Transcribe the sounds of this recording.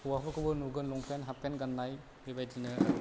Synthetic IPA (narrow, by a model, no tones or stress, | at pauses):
uwabɯkɯbɯnuɡɯnlɔŋpʰenɦapenɡanːaj | bibajdinɯ